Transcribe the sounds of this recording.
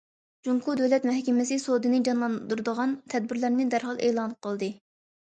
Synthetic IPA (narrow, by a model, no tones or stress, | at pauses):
d͡ʒuŋkʰud̪ɛlɛt̪mɛhkʲɛmɪsɨsod̪ɨnɨd͡ʒɑnlˠɑnd̪uɾd̪əʁɑnt̪ʰɛd̪̚bɪɾlæɾnɪd̪æɾɦɑlˠeːlˠɑnqʰəlˠd̪ɨ